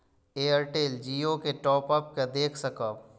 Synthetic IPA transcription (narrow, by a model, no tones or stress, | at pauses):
eːəɾʈeːld͡ʒiːokeʈɔːpəp̚ked̪eːkʰsɐkaː